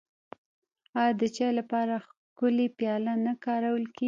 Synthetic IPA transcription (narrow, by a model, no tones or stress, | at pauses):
ɑjɑd̪ət͡ʃɑjlapɑɾa | kʊlepjɑlanakɑɾawəlke